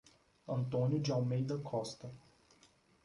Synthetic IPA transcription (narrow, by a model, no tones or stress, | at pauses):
ɐ̃nt̪õnjʊd͡ʒɪawmejd̪ɐkʰɔst̪ɐ